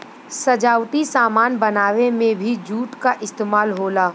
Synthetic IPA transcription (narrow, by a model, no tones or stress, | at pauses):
sɐd͡ʒaːwt̪isaːmaːnbɐnaːʋemẽbʱid͡ʒuːʈkaʔɪst̪eːmaːlɦoːlaː